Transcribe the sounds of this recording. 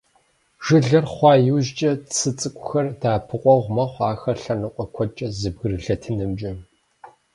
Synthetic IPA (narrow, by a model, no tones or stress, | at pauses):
ʒ̥ɨɮɐrχʷɑːjuːʒt͡ʃʼɐt͡sʰɨt͡sʼɨkʷʼʊxɐrdaːpʰɨqʷʼɔʁʷmɐχʷaːxɐɬɐnɨqʷʼɔkʷʰɔt͡ʃʼɐzɨb̚ɣɨrɨɮɐtʰɨnɨmd͡ʒʼɪ